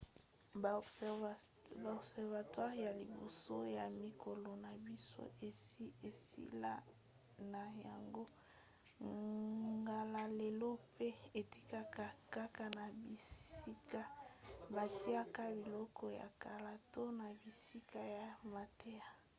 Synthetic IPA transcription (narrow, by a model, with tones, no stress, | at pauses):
ba˨o˨bsɛ˨ʁva˨twa˦ʁja˨li˨bo̰˨so˦ja˨mi˨kʰo˨lɔ˨na˨bi˦so̰˦ʔe˨˦e˨sḭ˦la̰˦ | na˨ja˨ŋɡo˦ | ɡa˨la˨le˨lo˦pe˦e˨ti̥˦ka˦ka˦ka˦ka˦na˨bi˨i˦ka˦ba˨ti˦a˦ka˦bi˨lɔ˦kʰɔ˦ja̰˨ka˨la˨to˦na˨bi˨si˦ka˦ja˨ma˨te˦ja˨